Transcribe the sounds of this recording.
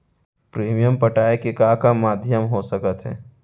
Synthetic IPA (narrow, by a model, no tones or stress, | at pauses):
pɾeːmijəmpəʈaːekekakamaːd̪ʱjəmɦosəkət̪ɦɛ̰̃ː